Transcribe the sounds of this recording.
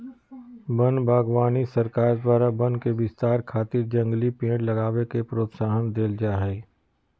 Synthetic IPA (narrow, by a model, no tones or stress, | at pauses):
bə̃nbʱaːɡwaːnisɐɾkaːɾd̪waːɾabə̃nkeʋɪst̪aːɾkʰaːt̪ɪɾd͡ʒə̃ŋɡlipẽːʈlɐɡaːwekepɾoːt̪saːɦənd̪eːld͡ʒaːɦɛː